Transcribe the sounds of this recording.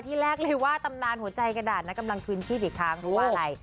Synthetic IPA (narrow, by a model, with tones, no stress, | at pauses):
t̪ʰiː˥˩ɾɛː˥˩k̚lɤː˧jwaː˥˩t̪a˧mnaː˧nɦu˩˦ɐt͡ɕa˧jka˧naː˨˩t̪̚na˦˥ka˧mla˧ŋpʰɯː˧nt͡ɕʰiː˥˩p̚ʔiː˨˩kʰɾaː˦˥ŋpʰɔ˦˥waː˥˩ʔa˧ɾa˧j